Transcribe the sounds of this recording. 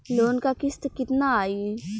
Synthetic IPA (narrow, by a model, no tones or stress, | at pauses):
loːnkakɪst̪kɪt̪naaːiː